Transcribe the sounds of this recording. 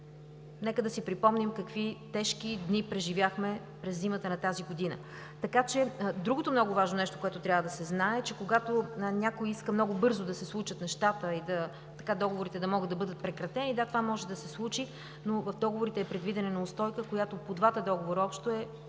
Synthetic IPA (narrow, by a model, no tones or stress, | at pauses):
nɛkəd̪ɐsipɾipɔmnimkɐkvit̪ɛʃkid̪nipɾɛʒivʲjaxmɛ | pɾɛzːimət̪ənɐt̪aziɡod̪inə̰ | t̪ɐkat͡ʃɛd̪ɾuɡot̪omnɔɡʊvaʒnonɛʃt̪o̥koʊɛt̪ot̪ɾʲavəd̪ɐsɛznaɛt͡ʃɛkoɡat̪onʲakojiskəmnɔɡʊbɤɾzʊd̪ɐsɛslˠut͡ʃət̪nɛʃt̪at̪əid̪ɐ | t̪ɐkad̪ɔɡovoɾit̪ɛd̪ɐmɔɡəd̪ɐbɤd̪ət̪̚pɾɛkɾɐt̪ɛnid̪at̪ovamɔʒɛd̪ɐsɛslˠut͡ʃi | novɐvd̪ɔɡovoɾit̪ɛːpɾɛd̪vid̪ɛnɛnɐʊst̪ɔjkəkojat̪opod̪vat̪əd̪ɔɡovoɾəɔpʃt̪oɛ